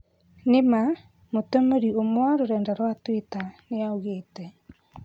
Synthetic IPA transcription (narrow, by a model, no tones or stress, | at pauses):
nema | motomeɾiomwaɾoɾɛːndaɾwatwetaneaoɣeːtɛ